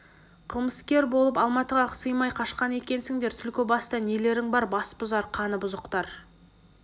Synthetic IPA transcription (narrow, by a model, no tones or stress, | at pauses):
qʰəlˠməskʲe̞ɾbo̞lˠəpɑlˠmɑt̪əʁɑsəjmɑjqʰɑʃqɑne̞kʲe̞nsɪŋd̪e̞ɾt̪ʰʏlkʲɪbɑst̪ɑnele̞ɾɪŋbɑɾbɑsbʊzɑɾqʰɑnəbʊzəqt̪ɑɾ